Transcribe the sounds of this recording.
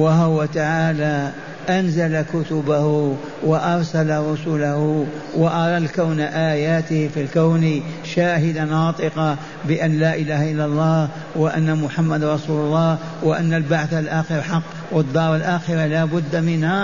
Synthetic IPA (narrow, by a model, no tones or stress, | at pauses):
waɦwat̪aʕaːla | ʔanzalakʊt̪ʊbahʊ | waʔɑɾˤsalaɾˤʊsuːlahʊwaʔɑɾˤɑlkawnaʔaːjaːt̪ɪhfilkawniʃaːɦɪd̪anɑːt̪ˤɨqɑ | bɪʔanlaːʔɪlaːhaʔɪlːalˤːɑːh | wɪʔanːamʊħamːad̪ɾˤɑsuːlʊlˤːɑːh | wɪʔanːalbaʕθalʔaːxɪɾħɑqː | wɪd̪ːɑːɾˤalʔaːxɪɾalaːbʊd̪ːamɪnha